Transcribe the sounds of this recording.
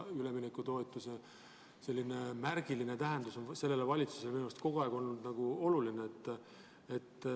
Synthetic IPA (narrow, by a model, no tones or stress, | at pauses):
yle̞minekːut̪o̞et̪ːˑuse | se̞lʲːine̞mærɡ̥iline̞t̪æɦe̞nd̪uso̞nse̞lːe̞levɑlʲit̪su̥se̞leminumst̪ko̞ɡ̥oɑˑeɡ̥o̞lnud̪̥nɑɡ̥uo̞lulineet̪ːˑ | et̪ː